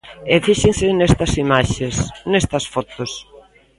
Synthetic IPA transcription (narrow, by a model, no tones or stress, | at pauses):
efiʃensɪnest̪ɐsimaʃesnest̪ɐsfɔt̪os